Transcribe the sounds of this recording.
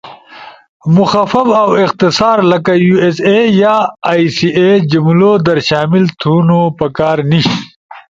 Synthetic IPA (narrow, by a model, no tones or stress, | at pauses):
mʊxafɐfawɪqt̪ɪsaːɾlɐkajuesejaːjsied͡ʑimlod̪ɐɾʃaːmɪlt̪ʰunopɐkaːɾniʃi